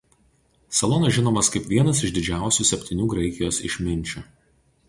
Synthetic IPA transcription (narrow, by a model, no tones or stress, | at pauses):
sɐlˠɔnɐʒʲɪnoːmɐskɐɪpʲʋʲiɛnɐsɪʒd̪ʲɪd͡ʒʲæˑʊsʲuːˑsʲɛpʲt̪ʲɪnʲuːɡɾɐɪkʲɪjoːsɪ̰ʃʲmʲɪnʲˑt͡ʃʲʊ